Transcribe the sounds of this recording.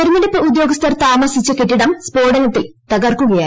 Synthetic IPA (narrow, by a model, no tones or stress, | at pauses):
ɐɾunːɐɽipːɨud̪jo̞ːɡɐst̪ʰɐrt̪aːmɐsit͡ɕːɨkeʈːiɽɐmspo̞ːɖɐnɐt̪ːilt̪ɐɣɐrkuɣɐjaː